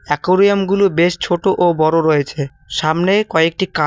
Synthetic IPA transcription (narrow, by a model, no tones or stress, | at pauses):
ɛkoɾiamɡulobeʃt͡ɕʰoʈoʔobɔɾoɾojet͡ɕʰe | ʃamnekɔek̚ʈika